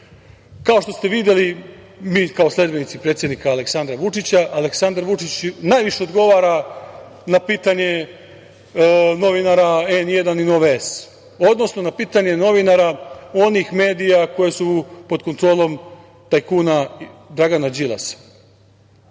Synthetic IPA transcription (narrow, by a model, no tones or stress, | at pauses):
kao̞ʃt̪o̞st̪e̞ʋid̪je̞li | miːkao̞sle̞d̪be̞nit̪sipɾet̪sʲjed̪nikaːle̞ksand̪ɾaʋut͡ʂit͡ɕaʔaleksand̪aɾʋut͡ʂit͡ɕnajʋiʃe̞od̪ɡo̞ʋaːɾa | napiːt̪aɲe̞ | no̞ʋinaɾaenjed̪aninoʋees | o̞d̪no̞sno̞napiːt̪aɲe̞no̞ʋinaɾao̞nixme̞ːd̪ijako̞jesupo̞d̪ko̞nt̪ɾo̞ːlˠo̞m | t̪ajkunad̪ɾaɡanad͡ʑilˠa̰s